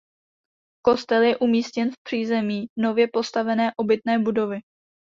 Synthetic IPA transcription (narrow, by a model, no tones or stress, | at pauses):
ko̞st̪ɛljɛʔumiːscɛnfpr̥iːzɛmiːno̞vjɛpo̞st̪avɛnɛːʔo̞bɪt̪nɛːbudo̞vɪ